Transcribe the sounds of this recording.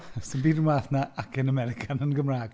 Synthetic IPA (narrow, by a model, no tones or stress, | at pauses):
sɪnbiːdənwaːθnaakʰɪnəmɛɾɪkʰanənɡəmraːɡ̥